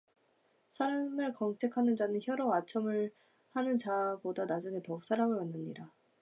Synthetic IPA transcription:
sʰaɾamɯɭkʌŋt͡ɕʰe̞kʰanɯnd͡ʑanɯnçjʌɾoat͡ɕʰʌmɯɭ | hanɯnt͡ɕabodanad͡ʑuŋe̞tʌk̚s͈ʰaɾamɯɭwanːɯɲiɾa

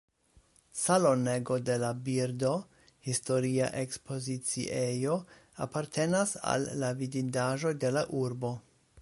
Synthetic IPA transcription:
salo̞ne̞ɡo̞de̞labiɾdo̞ | histo̞ɾia̰ʔe̞kspʰo̞zit͡sḭʔejo̞a̰paɾtʰe̞nasa̰lːavidindaʒo̞jde̞laʔuɾbo̞

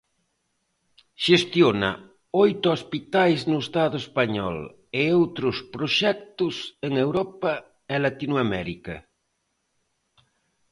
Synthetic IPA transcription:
ʃest̪jonɐ̰ | ojt̪ʊospit̪ajznʊest̪aðʊespaɲɔ̰l | ɪowt̪ɾʊspɾoʃɛk̚t̪ʊseŋewɾɔpɐ | ɛlat̪inwamɛɾikɐ

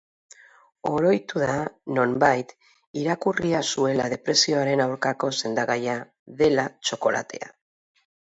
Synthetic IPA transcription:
o̞ɾo̞jt̪uðano̞mbajt̪ | iɾakuriasue̞lað̞e̞pɾe̞sio̞aɾe̞nawɾkako̞se̞nd̪aɣaja | ðe̞lat͡ʃo̞ko̞la̰t̪e̞̰a̰

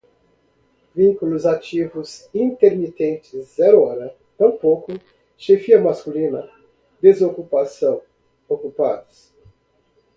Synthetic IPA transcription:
vĩŋkulʊzat͡ʃivʊzĩnt̪eɾmit̪ẽnt͡ʃɪzzɛɾʊɔɾɐ | t̪ɐ̃w̃pokʊ | ʃefiɐmaskulĩnɐ | d̪ezokupasɐ̃w̃ | okupa̰d̪ʊs

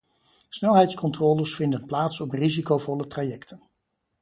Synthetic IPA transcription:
snɛlˠɦɛjtskɔntrɔːləsfɪndənplaːtsɔprizikowvɔlətraːjɛktʰən

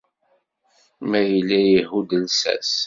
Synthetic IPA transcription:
mæjəlːæjəɦud̪əlsæ̰s

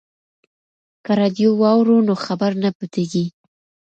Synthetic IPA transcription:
kaɾɑd̪jowɑwɾunoxabaɾnaput̪eɡi

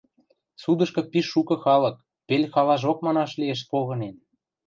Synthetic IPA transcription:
sud̪ə̆ʃkɤ̆piʃːukɤ̆xɑlɤ̆k̚ | pelʲxɑlɑʒok̚mɑnɑʃlieʃ̬̚poɣɤ̆nen

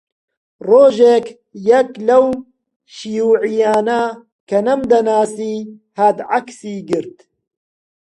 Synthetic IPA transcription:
roːʒeːk | jɐklɐw | ʃijuːʕijaːnɐ | kʰɐnɐmd̪ɐnaːsiːhɐd̪ʕaksiːɡɨɾt̪

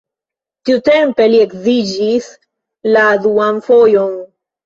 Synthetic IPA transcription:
tiute̞mpe̞lie̞kzid͡ʒis | laduanfo̞jon

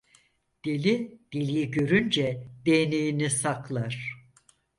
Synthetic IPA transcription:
d̪̥elʲid̪̥elʲijiɟø̞ɾynd͡ʒɛd̪enejinisaklˠaɾ̥

